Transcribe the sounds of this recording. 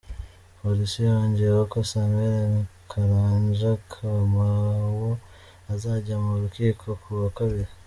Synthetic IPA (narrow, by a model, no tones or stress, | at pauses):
polisioːɲɟiɾwokosameɾenkʰaɾaːɲʒakʰamawo | azaɟamuɾukiːkʰo̞kʰuβakaβiɾa